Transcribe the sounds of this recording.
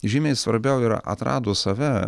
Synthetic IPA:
ʒʲiːmʲɛɪsʋɐɾʲbʲɛʊɪɾɐ̰t̪ɾɑ̰ːd̪oːsɐʋʲɛ

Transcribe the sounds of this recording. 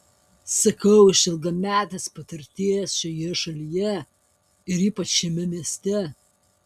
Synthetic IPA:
sɐkɐʊɪʃʲɪlˠɡ̪ɐmʲæːt̪ʲɛspɐt̪ʲɪɾʲt̪ʲeːjɛsʃʲɔjɛʃɐlʲijɛ | ɪɾiːpɐt͡ʃʃʲɛmʲɛmʲiɛsʲt̪ʲɛ

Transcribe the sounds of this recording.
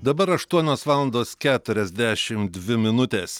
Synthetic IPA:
d̪ɐbɐɾɐʃt̪uɔnʲoːsʋɑːlˠɐnd̪oːskʲæːt̪ʊɾʲɛzʲd̪ʲæːʃʲɪmd̪ʲʋʲɪmʲɪnʊt̪ʲeːs

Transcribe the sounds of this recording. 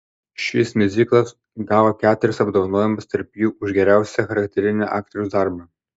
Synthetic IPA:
ʃʲɪsmʲɪzʲiːklˠɐs | ɡɑːʋoːkʲæːt̪ʊɾʲɪsɐbd̪oːʋɐnoːjɛmɐst̪ɐɾpjuːʊʒɡʲɛɾʲæˑʊsʲɛxɐɾɐkʲt̪ʲɛɾʲɪnʲɛʔɑːk̚t̪ʲɾʲuːsd̪ɑˑɾbɐ

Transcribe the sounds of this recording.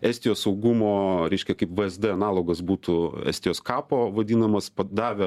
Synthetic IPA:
æːsʲt̪ʲɪjoːssɐʊɡʊmoːɾʲɛɪʃʲkʲɛkɐɪpʋəɛzd̪ɨɐnɑːlˠoːɡɐsbuːt̪ʊæ̰ːsʲt̪ʲɪjoːskɑːpoːʋɐd̪ʲiːnɐmɐspɐd̪ɑːʋʲɛ

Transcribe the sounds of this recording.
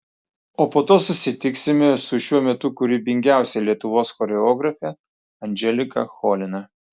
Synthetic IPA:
oːpoːt̪oːsʊsʲɪt̪ʲɪksʲɪmʲɛsʊʃʲuɔmʲɛt̪ʊkʊɾʲibʲɪŋʲɡʲæˑʊsʲɛlʲiɛt̪ʊʋoːsxɔɾʲɛɔːɡɾɐfʲɛ | ɐnʲd͡ʒʲɛlʲɪkɐ̰xɔlʲɪnɐ

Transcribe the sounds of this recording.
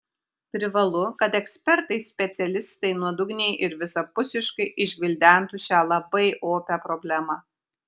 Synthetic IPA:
pʲɾʲɪʋɐlˠʊkɐt̪ɛksʲpʲɛɾt̪ɐɪsʲpʲɛt̪sʲɛlʲɪst̪ɐɪnuɔd̪ʊɡnʲɛɪʔɪɾʋʲɪsɐpʊsʲɪʃkɐɪʔɪʒʲʋʲɪlʲd̪ʲæˑnt̪uːʃʲæːlˠɐbɐɪʔoːpʲɛpɾɔbʲlʲæmɐ

